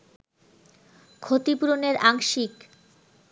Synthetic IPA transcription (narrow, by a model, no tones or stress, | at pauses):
kʰot̪ipuɾoneɾaŋʃik